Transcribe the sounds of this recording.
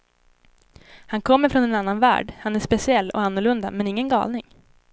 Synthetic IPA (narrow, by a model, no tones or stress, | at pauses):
hankʰɔmːəɾfɾɔnɛnanːanvæ̰ːɖhanæʂpɛsɪɛlːɔ̰anːʊɭɵnd̪amɛnɪŋːənɡɑ̰ːlnɪŋ